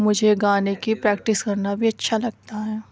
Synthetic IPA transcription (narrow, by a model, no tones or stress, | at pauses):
mʊd͡ʒʱeɡaːnekipɾɛːkʈɪskɐɾnabʱiɐtːʃʰalɐɡ̚t̪aɦɛː